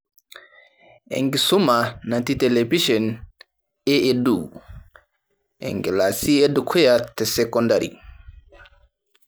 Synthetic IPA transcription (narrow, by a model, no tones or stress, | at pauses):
ʔɛ̰ŋɡisumanantitɛlebiʃɔn | ɛedu | ʔɛ̰ŋɡɛlasiɛdukʰɔjatɛsɛkɔndaɾḭ